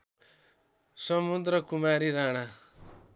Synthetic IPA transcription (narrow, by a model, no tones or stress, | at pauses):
sʌmud̪ɾʌkumaɾiɾaɽ̃a